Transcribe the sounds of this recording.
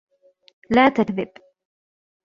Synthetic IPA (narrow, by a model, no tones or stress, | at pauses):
laːt̪akðɪb